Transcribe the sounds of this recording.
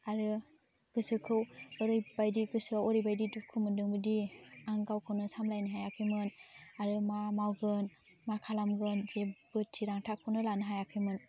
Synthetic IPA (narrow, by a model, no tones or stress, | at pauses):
aɾɯ | ɡ̥ɯsɯkʰɯwɯɾɯjbajdiɡɯsɯawɔɾɯjbajdidupkʰɯmɯndɯŋbɯdiaŋɡawkʰɯwnɯsamlajnɯɦajakʰɯjmɯnaɾɯmamawɡɯn | makʰalamɡɯnzebɯtʰːiɾaŋtʰakʰɯwnɯlanɯɦajakʰɯjmɯn